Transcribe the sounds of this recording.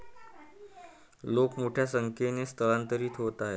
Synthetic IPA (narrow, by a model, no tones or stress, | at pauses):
lokmoʈʰjasəŋkʰenest̪ʰəɭant̪əɾiːt̪ʰɦot̪aɦe